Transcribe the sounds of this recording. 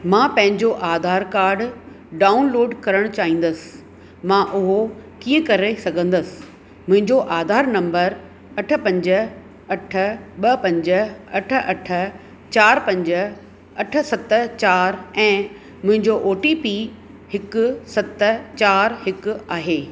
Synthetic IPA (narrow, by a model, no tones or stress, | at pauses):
mãːpɐ̃ɦɪ̃ɲd͡ʑoʔaːd̪ʱaːɾkaːɾɖ | ɖaːʊnloːɖkɐɾəɽ̃t͡ɕaːɦĩːn̆d̪əsɪ̥̆ | mãːʔʊɦokiːə̃kɐɾesɐɡʱə̃nd̪əsɪ̥̆ | mʊ̃ɦɪ̃ɲd͡ʑoʔaːd̪ʱaːɾnɐ̃mbəɾ | ɐʈʰə̆pɐ̃ɲd͡ʑə | ɐʈʰə̆ɓɐpɐ̃ɲd͡ʑəɐʈʰə̆ʔɐʈʰə̆ | t͡ɕaːɾpɐ̃ɲd͡ʑə̆ | ɐʈʰə̆sɐt̪t͡ɕaːɾɛ̃ː | mʊ̃ɦɪ̃ɲd͡ʑoʔoːʈipiː | hɪkʊsɐt̪t͡ɕaːɾɦɪkʊ̆aːɦeː